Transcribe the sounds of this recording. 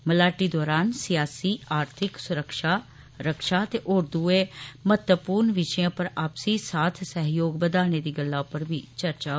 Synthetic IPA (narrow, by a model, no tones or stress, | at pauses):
məlaːʈiːd̪ɔːɾaːnsɪjaːsiːaːɾt̪ʰɪksʊɾəkʃaː | ɾəkʃaːt̪eːʔʊɾd̪uːeːmət̪əpuːɾnʋɪʃəjãːpəɾaːpsiːsaːt̪ʰsəɦjoːɡbəd̪aːneːd̪iːɡəlːaːpəɾbiːt͡ʃəɾt͡ʃaː